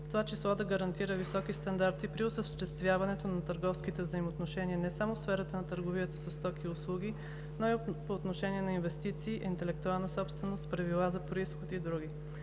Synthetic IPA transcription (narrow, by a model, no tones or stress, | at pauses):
ft̪ovat͡ʃislˠɔd̪ɐɡəɾɐnt̪iɾəvisɔkist̪ɐnd̪aɾt̪ipɾiosəʃt̪ɛst̪vʲjavɐnɛt̪onɐt̪əɾɡɔfskit̪ɛvzəimoːt̪noʃɛniənɛsamofsfɛɾət̪ənɐt̪əɾɡovijət̪əsɐst̪ɔkiʊslˠuɡʲi | noipoːt̪noʃɛniɛnɐinvɛst̪it̪siːʔint̪ɛlɛk̚t̪ualˠnəsɔpst̪vɛnost̪pɾɐvilˠazɐpɾoisxot̪id̪ɾuɡʲi